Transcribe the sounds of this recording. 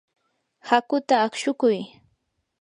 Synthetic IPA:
hakʊt̪aːkʃʊkʊj

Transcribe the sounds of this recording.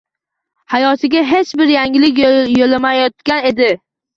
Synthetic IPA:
hajɒt̪ʰɪɡʲaɦe̞t͡ʃbɪɾjaŋɪlɪkʲjolamajɒt̪̚kʲane̞d̪ɪ

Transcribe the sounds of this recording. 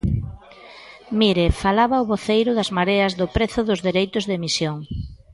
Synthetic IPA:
miɾefalaβɐʊβoθejɾʊðɐzmaɾeɐzðʊpɾeθʊðʊzðeɾejt̪ʊzðemisjoŋ

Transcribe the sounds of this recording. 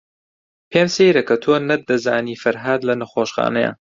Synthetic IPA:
pʰeːmsejɾɐkʰɐt̪ʰoːnɐd̪ɐzaːniːfɐɾɦaːd̪lɐnɐxoːʃxa̰ːnɐjɐ̰

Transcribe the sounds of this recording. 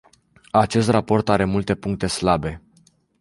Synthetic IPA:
at͡ʃe̞s̬t̪rapo̞rt̪aɾe̞mult̪e̞puŋk̚t̪e̞slabe̞

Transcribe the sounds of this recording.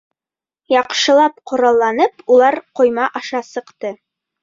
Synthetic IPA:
jɑqʃɤ̆lˠɑp̚qŏɾɑlˠːɑnɤpulˠɑɾqŏjmɑʔɑʃɑsɤ̆qt̪ɤ

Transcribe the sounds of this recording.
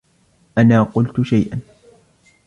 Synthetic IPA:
ʔanaːqʊlt̪ʊʃajʔan

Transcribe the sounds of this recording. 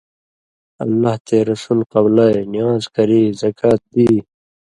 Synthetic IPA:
ɐ̰lːaːht̪eːɾɐsuːlqɐblajnijaːzkɐɾiːzɐkʰaːt̪̚d̪iː

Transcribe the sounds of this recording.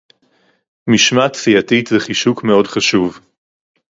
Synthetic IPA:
miʃmat̪fiatitveχiʃukmeo̞dχaʃuv

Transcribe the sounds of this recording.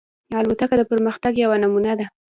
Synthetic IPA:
jalwat̪akad̪əpəɾməxt̪aɡjawanamunad̪a

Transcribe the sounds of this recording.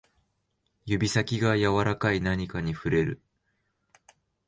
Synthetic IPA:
jɯ̟bʲisakʲiɡajaβaɾakainaɲ̟ikaɲ̟iɸɯ̟ɾe̞ɾɯ̟̰

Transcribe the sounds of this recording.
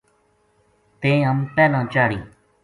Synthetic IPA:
t̪ẽːəmpɛːlãːt͡ʃaːɽḭ̃ː

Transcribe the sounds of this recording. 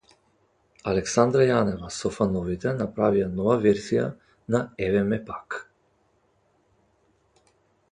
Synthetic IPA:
alɛksand̪ɾajanɛvasɔfanɔvit̪ɛnapɾavijanɔvavɛɾzija̰ | naɛvɛmɛpak

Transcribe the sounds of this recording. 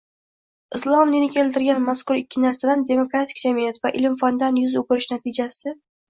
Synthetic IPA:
ɪslˠɒmnenɪkʲʰe̞lt̪ɪɾɡʲanmaskʊɾɪkʲːɪnaɾsad̪and̪e̞mokɾat̪ʰɪ̥k̚ʲd͡ʒamijat̪vaʔɪlɪmfɒnd̪anjʊzokʲʊɾɪʃnat̪ʰɪd͡ʒasɪ

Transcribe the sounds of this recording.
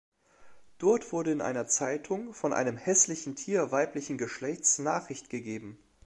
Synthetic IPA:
d̥ɔɐtv̥ʊɐɾəɪnʔa̰ɪnɐt͡saɪtʰʊŋfɔnʔa̰ɪnəmhɛslɪçn̩tʰiːɐvaɪplɪçn̩ɡəʃlɛçt͡snaːχʁ̥ɪçtɡ̥əɡeːbm̩

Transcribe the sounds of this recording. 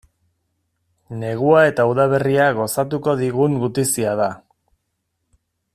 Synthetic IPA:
ne̞ɣ̞uae̞t̪auðaβ̞e̞riaɣo̞sat̪uko̞ðiɣuŋɡut̪isiað̞a

